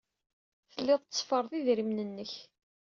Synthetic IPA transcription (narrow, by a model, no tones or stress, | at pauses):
θəlːɪðˤt͡sːˤfəɾˤðˤiðɾimnənːəç